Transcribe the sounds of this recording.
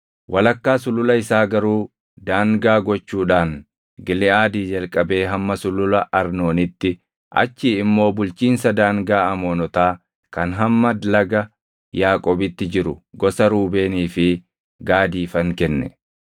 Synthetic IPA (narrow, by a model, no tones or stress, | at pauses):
wʔɐlɐkːaːsʊlʊlɐɪsaːɡɐɾuː | d̪aːŋɡaːɡɔt͡ʃːuːᶑaːn | ɡɪlɪaːd̪iːd͡ʒɐlkʼɐbe̞ːɦɐmːɐsʊlʊlɐɐɾno̞ːnɪt̪ːɪ | ʔɐ̰t͡ʃːiːɪmːo̞ːbʊlt͡ʃiːnsɐd̪aːŋɡaːɐmoːnɔt̪aː | kɐnɦɐmːɐd̪lɐɡɐ | jaːkʼoːbɪt̪ːɪd͡ʒɪɾʊɡɔsɐɾuːbe̞ːniːfɪ | ɡaːd̪iːfɐŋkɛnːɛ